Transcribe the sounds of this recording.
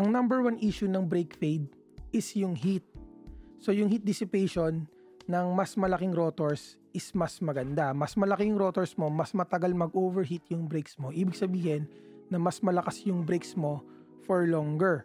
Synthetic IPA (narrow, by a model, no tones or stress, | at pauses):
ʔɐŋnɐmbɛɹwanʔiːʃʊnɐŋbɾejkfejd̪̚ | ʔɪsjʊŋhit̪̚so̞jʊŋhit̪̚d̪ɪsɪpejʃonː | ɐŋmɐsmɐlɐkɪŋɾot̪oɹs | ʔɪsmɐsmɐɡɐnd̪amɐsmɐlɐkɛjʊŋɾo̞ːt̪oɹsmo̞mɐsmɐt̪ɐɡalmɐɡʔoːvɛɹɦit̪̚jʊŋbɾejksmoʔiːbɪɡsɐbiːhɪnːɐmɐsmɐlɐkasjʊŋbɾejksmo̞ | fɔɹlɔŋɡɛɹ